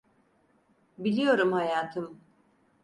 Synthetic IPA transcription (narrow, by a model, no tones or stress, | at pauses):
bilʲijo̞ɾumhajaːt̪ʰɯm